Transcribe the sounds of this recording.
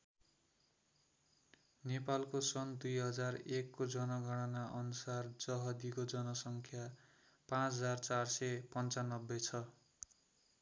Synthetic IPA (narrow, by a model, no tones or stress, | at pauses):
nepalkosʌnd̪ujɦʌd͡zarekːod͡zʌnʌɡʱʌɽ̃ʌnaʔʌnusard͡zʌɦʌd̪ikod͡zʌnʌsʌŋkʰja | pãt͡sd͡zart͡sarsʌpʌnt͡sanʌbːet͡sʰʌ